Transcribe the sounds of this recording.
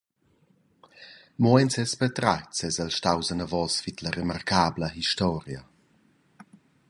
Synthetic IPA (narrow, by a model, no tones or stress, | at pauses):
mɔɛnsɛspɛt̪ɾat͡sɛzalʃtawzənavɔsfitlaɾemarkʰaːbləhiʃtɔːɾja